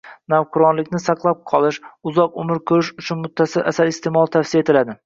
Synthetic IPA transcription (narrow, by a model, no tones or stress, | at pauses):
nawqʰʊɾɒnlɪkʲnɪsɑqlˠap̚qʰɒlˠɪʃʊzɒqʊmɪɾkʰɵɾɪʃʊt͡ʃʰʊnmʊt̪ʰːasɪlʔa̰saɾɪst̪ʰe̞mɒlˠt̪ʰafsijaet̪ʰɪlad̪ɪ